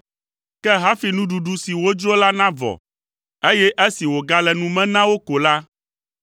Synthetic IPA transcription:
kɛ˦ɦa˦fi˨nũ˦ɖu˨ɖu˦si˨wo˦d͡ʒo˦la˦nã˦vɔ̰˨ | e˦jɛ˦ʔe˦si˨wo˨ɡa˦lɛ˨nũ˦mɛ̃˦nã˦wo˦ko˨la˦

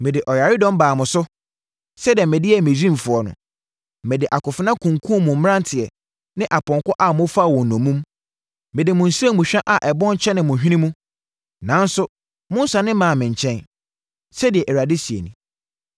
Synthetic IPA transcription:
mɪ̃˨dɪ˨ʔɔ˨ja˨ɾɪ˦dɔ̃˦m˦baː˨mʊ̃˨sʊ˦ | sɛ˦dɪ˨ɛ˨mɪ̃˨dɪ˦ɛ˨mɪ̃˨d͡ʑɾĩ˦m˨fʊ˨ɔ˨nʊ̰̃˨ | mɪ̃˨dɪ˨ʔa˨kʊ˨fɪ˨˦nã˦kʰũ˨ŋkʰũ˦mʊ̃˨m̩˦m˦ã˦n˦tʰɪ˨ɛ˨ | nɪ̃˦ʔa˨pʰɔ̃˨ŋkɔ˦ʔa˨mʊ̃˦fa˦˨wɔ̃˨n˨nɔ̃˨mũ˦m | mɪ̃˨dɪ˨mʊ̃˨n̩˨se˦mũ˨ɕᶣã˦ʔa˨ʔɛ˨bɔ̃˦n˦t͡ɕʰɛ˦nɪ̃˨mʊ̃˨ɦᶣĩ˦nĩ˦mũ˦ | nã˨˦n˦sʊ˦ | mʊ̃˦n̩˦sa˨nɪ̃˦mã˨mɪ̃˨ɲ˨t͡ɕʰɛ̃˦n | sɛ˦dɪ˨ɛ˨ʔɛ˨ɾa˨dɪ˦si˨ḛ˨nḭ̃˨

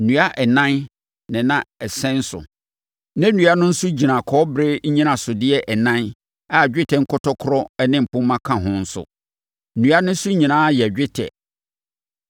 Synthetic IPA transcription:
n̩˨ũ˨˦a˦ʔɛ˨nã˦n | nɪ̃˨nã˦ɛ˨sɛ̃˦n̩˦sʊ̰˨ | nã˦nũ˨a˦nʊ̃˦n̩˦sʊ˦d͡ʑi˨nã˨kʰɔ˦bɾɪ˦ɲ̩˦ɲĩ˦nã˨sʊ˨dɪ˦ɛ˦ʔɛ˨nã˦n | a˨d͡ʑᶣɪ˦tʰɛ˨ŋ̩˦kʰʊ˦tʰɔ˦kʰʊ˦ɾɔ˦ɛ˦nɪ̃˦m̩˨pʰʊ̃˦mːã˦kʰã˨ɦʊ̃˦n̩˦sʊ̰˨ | nũ˨a˦nʊ̃˦n̩˦sʊ˦ɲĩ˨nãː˦jɛ˨d͡ʑᶣɪ˦tʰɛ̰˨

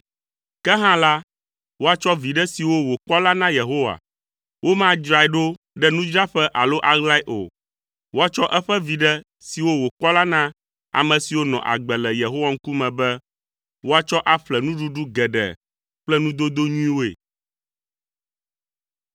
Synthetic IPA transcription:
kɛ˦ɦã˦la˦ | wo˦a˨t͡ʃɔ˦vi˨ɖɛ˦si˨wo˦wo˨k͡pɔ˦la˦nã˦je˨ɦo˦wa̰˨ | wʔo˦mã˦d͡ʒɾa˨ɛ˨ɖo˦ | ɖɛ˦nũ˦d͡ʒɾa˦ɸɛ˦ʔa˨lo˦ʔa˨ɣla˦i˦ʔo̰˨ | wo˦a˨t͡ʃɔ˦ʔɛ˦ɸɛ˦vi˨ɖɛ˦ | si˨wo˦wo˨k͡pɔ˦la˦nã˦ | a̰˨mɛ̃˨si˨wo˦nɔ̰̃˨ʔa̰˨ɡ͡bɛ˨lɛ˨je˨ɦo˦wa˦ŋ̩˦ku˦mɛ̃˨bɛ˦ | wo˦a˨t͡ʃɔ˦ʔa˨ɸlɛ˨nũ˦ɖu˦ɖu˦ɡɛ˨ɖɛ̰˨ | k͡plɛ˦nũ˦d̪o˦d̪o˦ɲũ˦ĩ˦wo˦ḛ˨

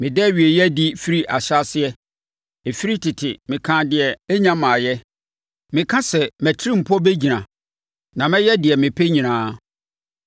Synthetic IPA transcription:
mɪ̃˨dɛ˦˨ɥi˨e˨jɛ˦di˦fi˦ɾi˦ʔa˨ɕa˦sɪ˦ɛ˦ | e˨fi˦ɾi˦tʰɪ˨tʰɪ˨mɪ̃˨kʰã˦dɪ˨ɛ˨e˦ɲã˦mã˨jɛ˦ | mɪ̃˨kʰã˦sɛ˨mæ˨tʰɪ˦ɾĩ˦m̩˨pʰɔ˦be˦d͡ʑi˨nã˨ | nã˨mɛ̃˦jɛ˦dɪ˨ɛ˨mɪ̃˨pʰe˦ɲĩ˨nãː˨˦

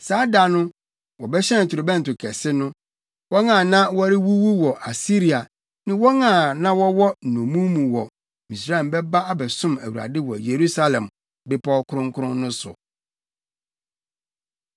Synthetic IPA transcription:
saː˨˦da˨nʊ̃˦ | wɔ˨bɛ˦ɕɛ̃˦˨tʰʊ˨ɾʊ˨bɛ̃˦n˨tʊ˨kʰɛ˨sɪ˦nʊ̃˦ | wɔ˦ŋã˨nã˦wɔ˦ɾɪ˦wu˦wu˦wɔ˨ʔa˨si˦ɾi˨a˨ | nɪ̃˦wɔ˦nãː˦˨nã˦wɔ˦wɔ˦n̩˨nɔ̃˨mũ˦mũ˨wɔ˨ | mĩ˨sɾa˦ɛ˨m˨bɛ˦ba˦a˦bɛ˨sʊ̃˦mæ˨wu˨ɾa̰˨dɪ˦wɔ̰˨je˨ɾu˦sa˦lɛ̃˨m | bɪ˦pʰɔ˦kʰʊ˦ɾʊ̃˦ŋkʰʊ˦ʊ̃˦nːʊ̃˦sʊ̰˨

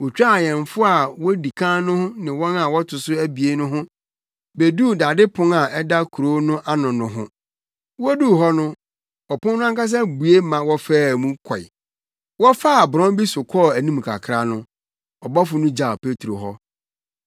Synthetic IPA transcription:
wɔ˨t͡ɕᶣa˦˨jɛ̃˨nfʊ˦a˨wɔ˦di˨kʰã˦nʊ̃˦hʊ̃˦nɪ̃˨wɔ̃˦na˨wɔ˦tʰʊ˨sʊ˦æ˦bi˨e˦nʊ̃˦ɦʊ̃˦ | be˨du˦˨da˨dɪ˦pʰʊ̃˦ŋa˨ɛ˦da˦kʰu˨ɾo˦nʊ̃˦ʔa˦nʊ̃˨nʊ̃˦ɦʊ̰̃˦ | wɔ˦du˦˨ɦɔ˦nʊ̃˦ | ɔ˨pʰʊ̃˦nʊ̃˦a˦ka˦s̬a˦bu˨e˦mã˨wɔ˦fɛː˦˨mũ˦kʰɔ˨j̰ | wɔ˦fa˦˨bʊ˨ɾɔ̃˦bi˦sʊ˨kʰɔ˦˨æ˨nĩ˦m˨kʰa̰˨kʰɾa˦nʊ̃˦ | ɔ˨bɔ˦fʊ˨nʊ̃˦d͡ʑa˨pʰe˦tʰɾo˨ɦɔ˦

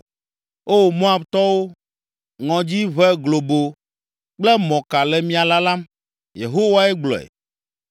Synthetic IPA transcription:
o˦˨mõ˦a˨bt̪ɔ˦wo˦ | ŋɔ̃˨d͡ʑi˦βɛ˦ɡlo˨bo˨ | k͡plɛ˦mɔ̃˨ka˨lɛ˨mĩ˦a˨la˦lã˦m | jḛ˨ɦo˦wa˦ɛ˦ɡ͡blɔ̰˨ɛ̰˨

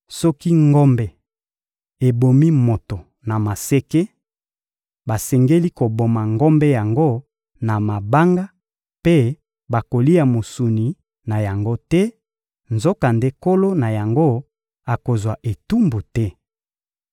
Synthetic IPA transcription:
sɔ˦ki˦ŋɡɔ˦mbɛ˨ | e˨bo˨mi˦mo˨to˨ | na˨ma˨se˦ke˦ | ba˨sɛ˨ŋɡe˦li˦ko˨bo˨ma˨ŋɡɔ˦mbɛ˦ja˨ŋɡo˦ | na˨ma˨ba˦ŋɡa˦ | pe˦ | ba˨ko˨li˦a˨mo˨su˨ni˨ | na˨ja˨ŋɡo˦tɛ˦ | nzo˦ka˨nde˦ko˦lo˦na˨ja˨ŋɡo˦ | a˨ko˨zwa˨ʔe˨tu˦mbu˨tɛ˦

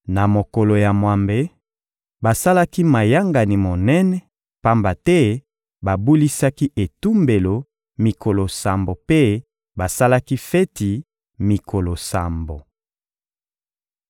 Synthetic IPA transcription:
na˨mo˨ko˨lo˨ja˨mwa˨mbe˨ | ba˨sa˦la˦ki˦ma˨ja˦ŋɡa˨ni˨mo˨nɛ˦nɛ˦ | pa˦mba˨tɛ˦ | ba˨bu˦li˦sa˦ki˦ʔe˨tu˦mbe˨lo˨ | mi˨ko˨lo˨sa˨mbo˨pe˦ | ba˨sa˦la˦ki˦fɛ˦ti˨ | mi˨kʰo˨lo˨sa̰˨mbo˨

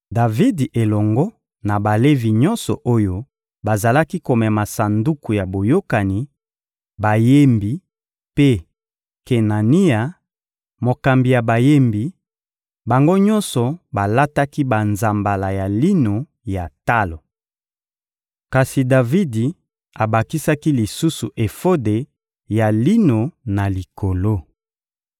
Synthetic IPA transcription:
da˨vi˦di˨ʔe˨lɔ˨ŋɡɔ˦ | na˨ba˨le˦vi˨ɲɔ˦nsɔ̰˨ʔo˦jo˦ | ba˨za˨la˦ki˦ko˨mɛ˨ma˨sa˨ndu˦ku˨ja˨bo˨jo˦ka˨ni˨ | ba˨je˦mbi˨ | pe˦ | ke˨na˨ni˦a˨ | mo˨ka˨mbi˨ja˨ba˨je˦mbi˨ | ba˨ŋɡo˦ɲɔ̃˦nsɔ˨ba˨la˦ta˦ki˦ba˨nza˨mba˨la˨ja˨li˦no˨ | ja˨ta˦lo˨ | ka˨si˨da˨vi˦di˨ | a˨ba˨ki˦sa˦ki˦li˨su˦su˨ʔe˨fo˦de˨ | ja˨li˦no˨na˨li˨ko˨lo˦

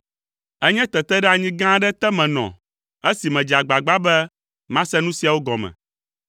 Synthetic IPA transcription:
ɛ˦ɲɛ̃˦t̪ɛ˨t̪ɛ˦ɖɛ˦a˨ɲĩ˦ɡã˦ɖɛ˦t̪ɛ˦mɛ̃˨nɔ̰̃˨ | e˦si˨mɛ̃˨d͡ʒi˨a˨ɡ͡ba˨ɡ͡ba˦bɛ˦ | mã˦sɛ˦nũ˦si˦a˨wo˦ɡɔ˨mɛ̰̃˨

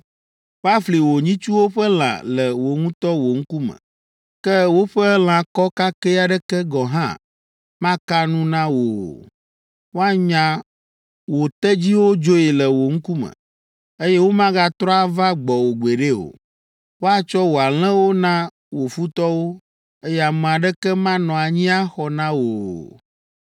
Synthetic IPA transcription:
wo˦a˦fli˨wo˨ɲĩ˦t͡ʃu˦wo˦ɸɛ˦l̃ã̰˨lɛ˨wo˨ŋũ˦t̪ɔ˦wo˨ŋ̩˦ku˦mə̰̃˨ | kɛ˦wo˦ɸə˦l̃ã˨kɔ˦ka˦kɛ˦a˨ɖɛ˦kɛ˦ɡɔ˨ɦã̰˦ | mã˦ka˦nũ˦nã˦wo̰˨ | wo˦a˦ɲã˨ | wo˨t̪ɛ˦d͡ʑi˦wo˦d͡ʒo˦e˨lɛ˨wo˨ŋ̩˦ku˦mə̰̃˨ | e˦jɛ˦wo˦mã˦ɡa˦t̪ɾɔ˦a˦va˦ɡ͡bɔ˨wo˨ɡ͡be˨ɖe˦o̰˨ | wo˦a˨t͡ʃɔ˦wo˨a˨l̃ɛ̃˦wo˦nã˦ | wo˨fu˦t̪ɔ˦wo˦ | e˦jɛ˦a˨mɛ̃˨a˨ɖɛ˦kɛ˦mã˦nɔ̃˨a˨ɲĩ˦a˦xɔ˨nã˦wo˨

